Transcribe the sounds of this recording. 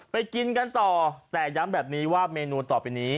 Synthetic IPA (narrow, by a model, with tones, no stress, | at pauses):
pa˧jki˧nka˧nt̪ɔː˨˩t̪ɛː˨˩ja˦˥mbɛː˨˩p̚niː˦˥waː˥˩meː˧nuː˧t̪ɔː˨˩pa˧jniː˦˥